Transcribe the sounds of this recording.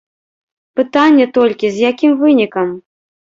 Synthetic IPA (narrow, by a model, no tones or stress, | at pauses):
pɨt̪anʲːɛt̪ɔlʲkʲizʲjakʲimvɨnʲikɐm